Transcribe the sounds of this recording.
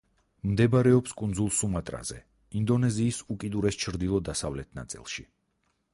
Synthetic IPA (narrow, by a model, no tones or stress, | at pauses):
md̪ɛbaɾɛɔpskʼund̪zulˠsumat̪ʼɾa̰z̥ɛ̰ | ind̪ɔnɛziːsukʼid̪uɾɛst͡ʃʰɾd̪ilˠɔd̪asavlɛt̪ʰna̰t̪sʼḭlˠʃi